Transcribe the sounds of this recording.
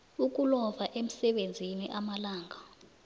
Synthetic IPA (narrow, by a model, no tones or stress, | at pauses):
uk̬ʼulɔvaʔem̩sɛɓend͡zʱiniʔamalaːŋa